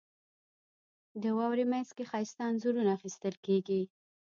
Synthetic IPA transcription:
d̪əwɑwɾimanzkexɑjst̪ɑnzuɾunaːxist̪əlkeɡi

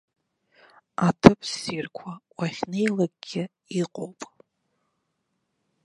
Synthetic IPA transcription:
atʰɨpʰsirkʷʰawaχʲne̞jlaɡ̚ʼɡʲɪ | iqʼowpʼ

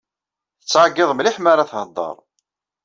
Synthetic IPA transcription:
θət͡sːʕaɡːɪðˤmliħmaɾaθhəd̪ˤːə̰ɾˤ

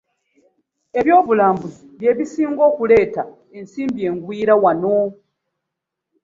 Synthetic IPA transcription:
e̞βjo̞ːβulaːmbuziβje̞ːβisiːŋɡo̞ːkule̞ːta | e̞nsiːmbie̞ːŋɡwiːɾawano̞

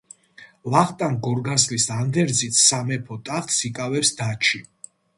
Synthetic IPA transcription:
laχt̪ʼanɡɔɾɡaslisand̪ɛɾd̪zit̪ʰsamɛpʰɔt̪ʼaχt̪sikʼavɛpsd̪at͡ʃʰi

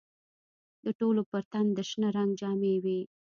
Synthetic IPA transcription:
d̪əʈolopəɾt̪and̪əʃnəɾaŋɡd͡ʒɑmewi

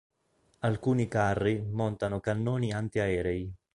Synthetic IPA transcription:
alkuːnikarːimɔnt̪anʊkanːoːniant̪iaɛːɾɛi

